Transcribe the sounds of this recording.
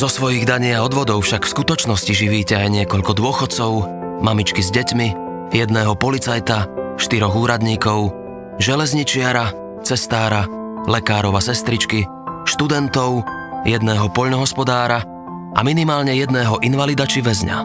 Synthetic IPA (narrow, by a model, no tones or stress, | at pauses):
zɔsʋɔjiɣd̪aɲɪaɔd̪ʋɔd̪ɔʊfʃakfskut̪ɔt͡ʃnɔsciʒiʋiːcɛajɲɪɛkɔʎkɔd̪ʊɔxɔt̪t͡sɔʊmamit͡ʃkizɟɛcmi | jɛd̪nɛːɦɔpɔlit͡sajt̪aʃt̪iɾɔɣuːɾad̪ɲiːkɔʊ | ʒɛlɛzɲit͡ʃɪaɾa | t͡sɛst̪aːɾa | lɛkaːɾɔʊasɛst̪ɾit͡ʃki | ʃt̪ud̪ɛnt̪ɔʊ | jɛd̪nɛːɦɔpɔʎnɔɦɔspɔd̪aːɾa | ʔa̰minimaːlɲɛjɛd̪nɛːɦɔʔinʋalid̪at͡ʃiʋɛzɲa̰